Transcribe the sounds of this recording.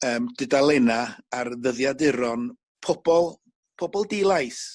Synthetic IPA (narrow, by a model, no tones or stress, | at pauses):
əːmdɨdalˠɛnaarðəðjadɪɾɔn | pʰɔb̥ɔlˠ | pʰɔbɔlˠdelˠajs